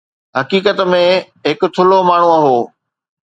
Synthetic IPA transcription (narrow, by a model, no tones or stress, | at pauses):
ɦɐkiːkət̪mẽ | ɦɪkʊ̆t̪ʰʊlomaːɳ̤ũɐɦoː